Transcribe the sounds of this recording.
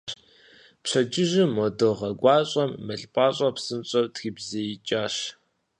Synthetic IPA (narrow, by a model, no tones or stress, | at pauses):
pɕɐd͡ʒʼɪʑɪmɔdoʁɐɡʷɑːɕʼɐmːɐɬʼpʼaːɕʼɐpsɨnt͡ɕʼɐwtxiːbzejit͡ʃʼaːɕ